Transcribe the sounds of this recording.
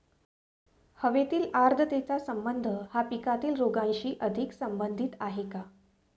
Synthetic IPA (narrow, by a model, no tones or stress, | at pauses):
həʋet̪iːlaɾd̪ʱət̪et͡sasəmbənd̪ʱəhapikat̪iːlɾoɡãnɕiːʔəd̪ʱiksəmbənd̪ʱit̪aɦeka